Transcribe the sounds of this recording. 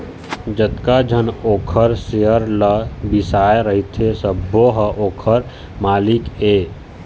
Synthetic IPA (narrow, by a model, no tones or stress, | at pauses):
d͡ʒət̪kad͡ʒʱənoːkʰəɾsejəɾləbisaːeɾəɦit̪ʰesəbːoɦəʔoːkʰəɾ | maːlikeː